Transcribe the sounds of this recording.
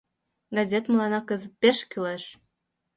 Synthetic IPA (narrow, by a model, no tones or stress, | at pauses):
ɡɑzʲet̪məlɑnɑkəzət̪̚peʃkyleʃ